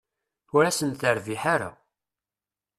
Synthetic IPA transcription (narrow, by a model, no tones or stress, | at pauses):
ʊɾæsənt̪əɾviħaɾa̰